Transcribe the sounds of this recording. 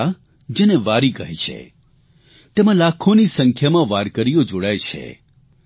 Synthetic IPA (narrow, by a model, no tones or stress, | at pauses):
a | d͡ʒeneʋaɾiɡəɦet͡ʃʰḛ | t̪emãlakʰonisəŋkʰjamãʋaɾkəɾijod͡ʒoɽajt͡ʃʰḛ